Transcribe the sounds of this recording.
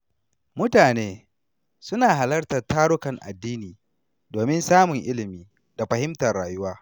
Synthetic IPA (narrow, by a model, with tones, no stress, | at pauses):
mʊ˦taː˨neː˦ | sʊ˦naː˨ɦa˨lɐ˦rtɐ˨rtaː˦ɽʊ˦kɐ˨ŋʔa̰˨dːiː˦niː˨ | doː˨mɪ˦nsaː˦mʊ˨ŋʔɪ˦lɪ˨miː˦ | da˨ɸɐ˨hɪ˦mtɐ˨rɽaː˨jʊ˦waː˦